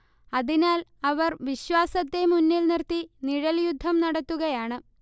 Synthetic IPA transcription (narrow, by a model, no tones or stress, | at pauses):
ɐðinaːlɐʋɐrʋiɕʋaːsɐt̪ːe̞munːilnirt̪iniɻɐljud̪ʱːɐmnɐɽɐt̪ːuɣɐjaːɳɨ